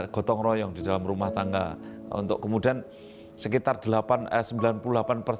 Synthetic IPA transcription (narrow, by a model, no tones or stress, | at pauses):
ɡ̥ɔ̤t̪ɔŋrɔjɔŋdidalamrumaht̪aŋɡa̰ṵnt̪ʊ̰ʔkəmudian | səkit̪ard̥əlapanəsəmbilanpululapanpərs